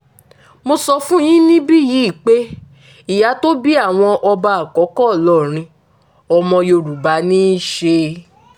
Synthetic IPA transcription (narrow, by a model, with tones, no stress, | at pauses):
mo˧sɔ˧fũ˦j̃ĩ˦nĩ˦bi˦ji˨˦˨k͡pe˦ | i˦˨ja˨˧˦to˦bi˦a˦˨w̃ɔ̃˧ʔɔ˧ba˧a˨kɔ˨˦kɔ˦˨lɔ˦˨ɾ̃ĩ˧ | ɔ˧mɔ̃˧jo˧ɾu˨ba˨˦nĩ˦ʃe˧